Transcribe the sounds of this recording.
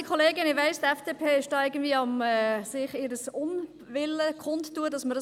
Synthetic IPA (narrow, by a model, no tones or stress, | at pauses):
ikʰχɔleːɡənɪʋaɪstɛfd̥eːpʰeːʃtɑːɪɡəndviəɑmɛːsɪχɪɾəsʊn | ʋɪləkʰχʊnttːuədɑsməɾə